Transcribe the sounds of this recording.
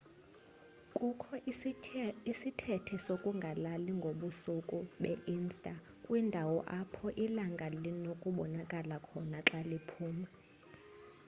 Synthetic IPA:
kʼukʰɔ | isitʰɛtʰɛsokʼuŋɡʱalaliŋɡʱoɓusukʼuɓɛʔinstʼa | kʼwindʱawɔʔapʰɔʔilaŋɡʱalinokʼuɓɔnakʼalakʰɔnaǁalipʰuːma

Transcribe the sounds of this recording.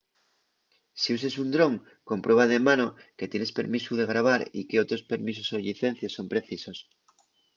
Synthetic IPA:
sius̬e̞sund̪ɾõ̞ŋ | ko̞mpɾwe̞βaðemanoket̪je̞ne̞spe̞̰ɾmisuðe̞ɣ̞ɾaβ̞aɾḭkeot̪ɾo̞spe̞ɾmis̬osoʎiθen̟θjosːo̞mpɾe̞θiso̞s

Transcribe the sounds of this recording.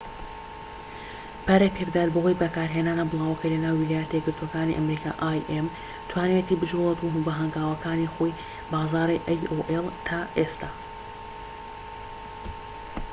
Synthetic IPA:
b̥aːɾekpʰebd̪aːɾbɐɦojbɐkaːɾɦenaːnɐwblˠaːwɐkʰɐjlɐnaːwːilaːjɛt̪eɡɨɾt̪ʰwokaːnḭʔɐmɾiːkʰa̰ːʔaːjʔem | t̪ʰwaːnet̪ibɨd͡ʒulet̪uɦubɐɦɐŋɡaːwɐkʰaːnixoj | baːzaːɾiʔajoʔelt̪ʰaːʔest̪ʰaː

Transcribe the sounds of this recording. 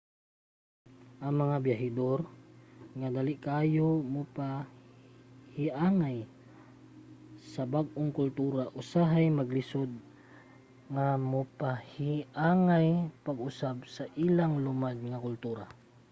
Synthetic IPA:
ʔɐŋmɐŋabjaɦɪd̪oɾ | ŋad̪alɪʔkaːjomʊpa | hɪʔaːŋaj | sɐbaɡ̚ʔoŋkʊlt̪uːɾaʔʊsaɦajmaɡlɪsod̪̚ | ŋamʊpahɪʔaːŋajpaɡʊsabsaʔiːlaŋlʊmad̪̚ŋakʊlt̪uːɾa

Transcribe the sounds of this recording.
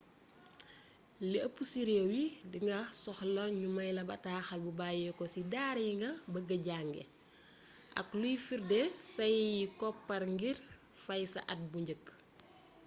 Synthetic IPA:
lɛɐpːusiɾɛwidiŋɡɐsɔxlɔnɲumɐjlɐbɐtaːxɐlbubaːjɛkɔsidaːɾjiŋɡɐbɐɡɐɟaŋɡɛ̰ | ʔɐ̰klujfiɾdɛsɐjjikɔpːɐɾŋɡir | fɐjsɐ̰ʔɐt̚buɲɟək

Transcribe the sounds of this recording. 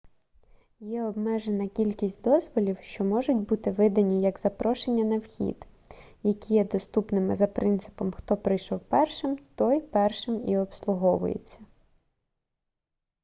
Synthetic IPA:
jɛɔbmɛʒenɐkʲilʲkʲisʲtʲd̪ɔzʋɔlʲiwʃt͡ʃɔmɔʒʊtʲbut̪ɪʋɪd̪ɐnʲijɐɡzɐpɾɔʃenʲːɐnɐwxʲḭd̪ | jɐkʲijɛd̪ɔst̪upnɪmɪzɐpɾʔɪnt̪sɪ̥pɔmxt̪ɔpɾɪjʃɔwpɛrʃɪmt̪ɔjpɛrʃɪmiɔpslˠʊɦɔʋʊ̰jḛt͡sʲːɐ

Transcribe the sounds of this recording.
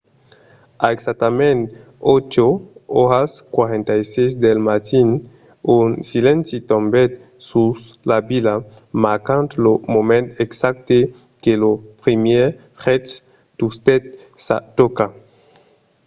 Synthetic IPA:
aeksak̚t̪amẽnt̪ | ot͡ʃooɾaskwaɾẽnt̪ajsejsd̪elmat̪in | unsilẽnsit̪ombet̪̚ | suslabila | maɾkant̪lomomẽnt̪eksak̚t̪e | kelopɾimje | χet̪s | t̪ust̪et̪̚ | sa̰t̪oka

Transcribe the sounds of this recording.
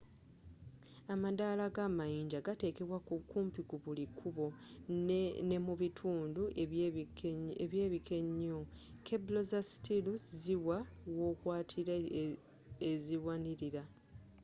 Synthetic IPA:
amadalaɡamajiːɲd͡ʒaɡate̞ːke̞βwakukuːmpiɡuβulikʰuβo̞ | ne̞muβitʰuːnduʔ | eβjeːβikʰe̞ɲːo | keblo̞zasi̥tiluziwawo̞ːkwaːtʰiɾa | eziwaniɾiɾa

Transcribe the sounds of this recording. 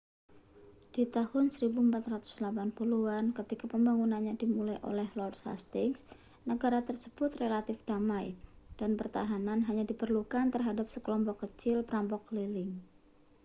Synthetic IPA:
d̥it̪ahʊnsəɾibuəmpat̪rat̪ʊ̥slapanpuluankət̪ikapəmbaŋunanɲadimulajʔo̰lɛhlɔrdsa̰st̪ɪŋs | nəɡaɾat̪ərsəb̥ʊt̪relat̪ɪfd̥amajd̥anpərt̪aɦananɦaɲadipərlukant̪ərɦadap̚səkəlɔmpɔkːət͡ʃɪlpəɾampɔklilɪŋ

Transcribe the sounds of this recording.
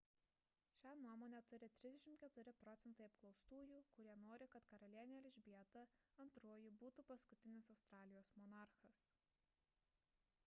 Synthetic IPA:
ʃʲæːnuɔmoːnʲɛt̪ʊɾʲɪt̪ʲɾʲɪzd̪ʲɛʃʲɪmkʲɛt̪ʊɾʲɪpɾɔt̪sʲɛnt̪ɐɪɐpklˠɒʊst̪uːjuːkʊɾʲiɛnoːɾʲɪkɐt̪kɐɾɐlʲiɛnʲeɛlʲɪʒʲbʲiɛt̪ɐɐnt̪ɾoːjɪbuːt̪uːpɐskʊt̪ʲɪnʲɪsɐʊst̪ɾɑːlʲɪjoːsmɔnɑˑɾxɐs

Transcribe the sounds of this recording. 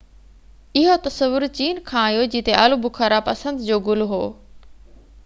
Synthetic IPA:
ɪɦot̪ɐsəʋʊɾt͡ɕiːnkʰãːjoːd͡ʑiːt̪eʔalubʱʊkʰaɾapɐsə̃nd̪d͡ʑoːɡʊlɦoː

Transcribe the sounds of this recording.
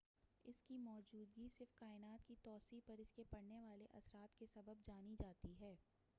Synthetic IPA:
ɪskimɔːd͡ʒuːd̪ɡisɪɾfkaːɪnaːt̪kit̪ɔːsiːpɐɾɪskepɐɽneʋaːleʔɐsɾaːt̪kesɐbəbd͡ʒaːnid͡ʒaːt̪iɦɛː

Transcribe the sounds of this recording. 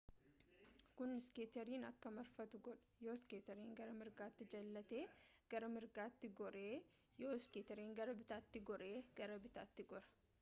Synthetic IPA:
kʊnɪskeːt̪ɐɾiːnɐkːɐmɐɾfɐt̪ʊɡɔᶑɐ̥joːskeːt̪ɐɾeːŋɡɐɾɐmɪɾɡaːt̪ːɪd͡ʒɐlːɐt̪e̞ː | ɡ̥ɐɾɐmɪɾɡaːt̪ːɪɡɔɾeː | joːskeːt̪ɛɾiːŋɡɐɾɐbɪt̪aːt̪ːɪɡɔɾe̞ːɡ̥ɐɾɐbɪt̪aːt̪ːɪɡɔɾɐ̥

